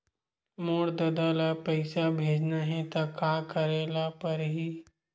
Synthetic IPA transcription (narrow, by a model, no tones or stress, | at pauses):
moːɽd̪əd̪alapəɪsabʱeːd͡ʒnaɦɛ̃t̪akaːkəɾeːlapəɾɦiː